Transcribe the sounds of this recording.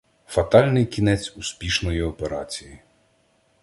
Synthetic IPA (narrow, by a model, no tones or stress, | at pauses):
fɐt̪ɑlʲnɪjkʲinɛt͡sʲuspʲiʃnɔjiɔpeɾɑt͡sʲiji